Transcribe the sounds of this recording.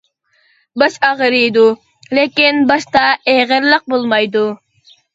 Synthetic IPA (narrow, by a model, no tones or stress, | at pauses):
bɑʃɑʁəɾɨjd̪u | lekʲinbɑʃt̪ɑeʁəɾlˠəq̚bolˠmɑjd̪u